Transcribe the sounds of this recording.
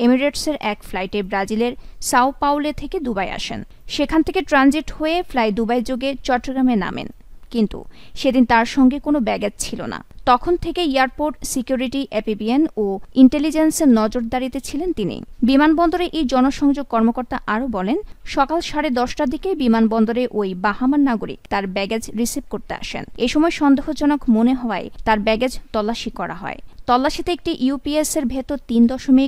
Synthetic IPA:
emiɾeʈseɾʔɛkflajʈebɾad͡ʑileɾsawpawlet̪ʰeked̪ubaja̰ʃḛn | ʃekʰant̪ʰekeʈɾand͡ʑiʈhoeflajd̪ubajd͡ʑoɡet͡ɕɔʈːɾoɡɾamena̰mḛn | kint̪ṵʃed̪int̪aɾʃɔŋɡekonobɛɡad͡ʑt͡ɕʰilo̰na̰t̪ɔkʰont̪ʰekeiaɾpoɾʈsikjuɾiʈiʔɛpibienoiɳʈelid͡ʑenseɾnɔd͡ʑoɾd̪aɾit̪et͡ɕʰilent̪inḭbimanbɔnd̪oɾeʔejd͡ʑɔnoʃɔŋd͡ʑoɡ̚kɔɾmokoɾt̪aʔaɾobɔlenʃɔkalʃaɾed̪ɔʃʈad̪ʱikebimanbɔnd̪oɾeʔojbaɦamanːaɡoɾḭkt̪aɾbɛɡed͡ʑɾisib̚koɾt̪ea̰ʃḛneʃɔmɔeʃɔnd̪eɦod͡ʑonokmoneɦɔoaet̪aɾbɛɡed͡ʑt̪ɔlːaʃikɔɾa̰ɦɔ̰et̪ɔlːaʃit̪eek̚ʈiʔjupieseɾbʱet̪ot̪ind̪ɔʃomik

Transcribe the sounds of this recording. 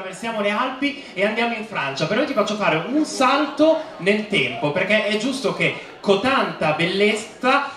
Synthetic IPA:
versjaːmolealpi | eand̪jaːmoiɱfɾant͡ʃapeɾnojt̪ifat͡ʃːofaːɾeunsalt̪onelt̪ɛmpoperk̟eʔɛd͡ʒːust̪ok̟e | kot̪ant̪abelːet̪sa

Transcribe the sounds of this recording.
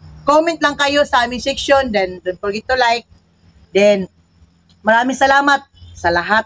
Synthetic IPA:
komɛnt̪̚laŋkɐjosɐʔaːmɪŋsɛkʃond̪ɛnd̪ʊnfɔɹɡɪd̪t̪ʊlajk̚ | d̪ɛn | mɐɾaːmɪŋsɐlaːmat̪̚sɐlaɦat̪̚

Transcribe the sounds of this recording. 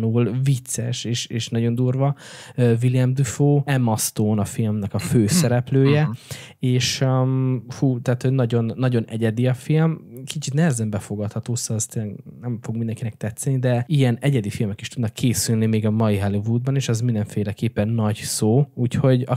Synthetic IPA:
nuːlvit̪sɛʃeːʃeːʃnɒɟo̞nd̪uːrvɒøviliɛmd̪yfoːɛmɒst̪oːnɒfilmnɛkɒføːsɛɾɛpløːjɛ | eːʃøfuːt̪ɛːt̪hoɟnɒɟo̞nːɒɟo̞nɛɟɛd̪iɒfilmkit͡ʃit̪nɛɦɛzɛmbɛfo̞ɡɒt̪hɒt̪oːsoɛst̪eːlːɛɡnɛɱfo̞ɡ̚mind̪ɛŋkinɛk̚t̪ɛt̪sːɛnid̪ɛijɛnɛɟɛd̪ifilmɛkiʃt̪ud̪nɒkʰːeːsylnimeːɡɒmɒjiɦɛlivuːd̪̚bɒneːʃɛzmind̪ɛɱfeːlɛkeːpːɛnːɒɟsoːuːcho̞ɟɒ

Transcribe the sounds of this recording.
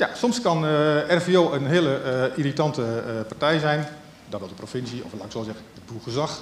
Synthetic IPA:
jasɔmskɑnɛrfioːənɦɪələiritɑntəpartɛjzɛjn | dɔtʋɛlˠdəprofɪnsiɔ̰flaksoːzɛɣəəbuχəzɑx

